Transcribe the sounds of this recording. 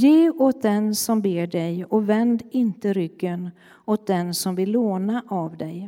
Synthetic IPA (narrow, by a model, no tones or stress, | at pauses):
jeːoːt̪̚d̪ɛnsɔmbeːɖɛjɔvɛnd̪ɪnt̪əɾʏɡ̥ːən | ot̪̚d̪ɛnsɔmvɪlːoːnaʔavd̪ɛj